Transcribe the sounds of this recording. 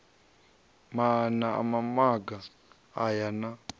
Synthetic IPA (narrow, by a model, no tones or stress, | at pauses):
manaa̰mamaɡaː | jana